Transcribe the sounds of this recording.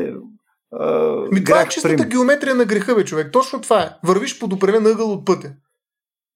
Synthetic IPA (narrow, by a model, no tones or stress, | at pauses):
ɐmit̪oaɛt͡ʃisɾt̪əɡʲɛomɛt̪ɾijɐnɐɡɾɛxɤbɛt͡ʃovɛk̚t̪ɔt͡ʃnot̪vaɛvəɾviʃpod̪opɾɛmɛnɯɡəlˠot̪̚pɤt̪ʲɛ